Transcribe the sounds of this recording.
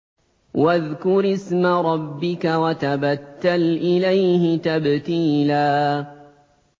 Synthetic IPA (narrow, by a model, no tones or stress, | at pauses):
waðkʊɾɪsmaɾˤɑbːɪkawat̪abat̪ːalʔɪlajhɪt̪abt̪iːlaː